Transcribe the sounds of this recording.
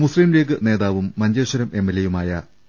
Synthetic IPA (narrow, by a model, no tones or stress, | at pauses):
musliːmleːk̬ɨne̞ːðaːʋumːɐɲd͡ʑeːʂɐɾɐme̞mːelːejumaːjɐ